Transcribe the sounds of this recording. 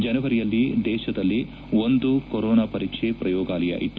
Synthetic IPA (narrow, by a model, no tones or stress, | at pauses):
d͡ʒɐnɐʋɐɾijɐlːid̪ɛːʃɐd̪ɐlːi | ond̪ukoɾɔːnaːpɐɾiːkʂepɾɐjɔːɡaːlɐja̰ːʔḭt̪ːu